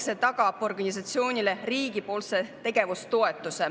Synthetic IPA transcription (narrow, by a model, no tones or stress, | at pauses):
set̪ɑɡ̥ɑpo̞rɡ̥ɑnʲis̬ɑt̪sio̞ːnʲile̞riːɡ̥ipo̞ːlse̞t̪e̞ɡ̥e̞vust̪o̞e̞t̪ːˑuse